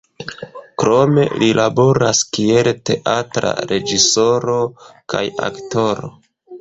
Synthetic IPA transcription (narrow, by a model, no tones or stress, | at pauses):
kɾo̞me̞̰lilabo̞ɾaskielte̞ʔatɾa̰ɾʔe̞d͡ʒisoɾo̞kaja̰kto̞ɾo̰